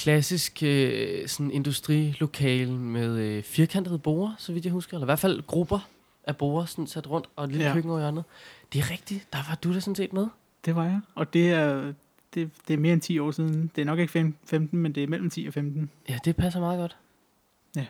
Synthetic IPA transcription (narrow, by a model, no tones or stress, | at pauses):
kʰlæsisɡ̥øsɒ̽ne̝nd̥usd̥ʁḭːlo̝kʰɛ̰ːlmeð̞ˠøfiɐkʰæn̰d̥ð̞̩ˠb̥o̝̰ːɐsɒ̽ʋid̥jɑ̈husɡ̥ɐelɐiʋæɐ̰̥fæl̰ɡ̥ʁub̥ɐ | ʔæb̥o̝̰ːɐsɒn̩sæd̥ʁɔ̽n̰d̥ɒ̽lilkʰøɡ̥ŋ̩ɒʊiænð̩ˠd̥e̝æɐʁɛɡ̥̚d̥id̥ɑ̈ʋɑ̈d̥uɾ̥esɔ̽n̩sḛːd̥meðˠ | d̥e̝ʋɑ̈jɑɒ̽d̥e̝æɐ | d̥e̝d̥e̝æɐme̝ːɐent͡sʰḭːɒ̰ːsiðˠn̩n̩d̥e̝æɐnɒ̽ɡ̥e̝ɡ̥əfefemd̥n̩mend̥e̝æɐmel̰m̩t͡sʰḭːɒfemd̥n̩jæd̥e̝pʰæs̬ɐmɑ̈ːðˠɡ̥ɒ̽d̥ | æ